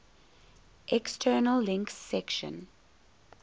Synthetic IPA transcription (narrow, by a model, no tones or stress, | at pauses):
ʔɛkstʰɛːnəlːɪ̃ŋksːɛkʃə̰̃n